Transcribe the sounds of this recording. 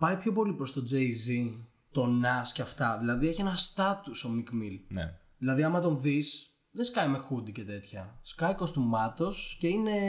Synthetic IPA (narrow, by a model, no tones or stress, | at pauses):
pɐjpço̞po̞lipɾo̞st̪o̞d͡zeizi | t̪o̞nɐsceɐft̪ɐðilɐðieçe̞nɐst̪ɐt̪uso̞mikmil̰ | ðilɐðiɐmɐt̪o̞nðis | ðe̞skɐjme̞xud̪ice̞t̪e̞t̪çɐskɐiko̞st̪umɐt̪o̞sce̞ine̞